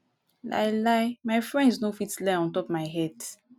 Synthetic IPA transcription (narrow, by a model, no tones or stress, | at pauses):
la̰jlajmaɪfɹɛ̃ndsnofitlajɔ̃ntɔpmaɪɦɛd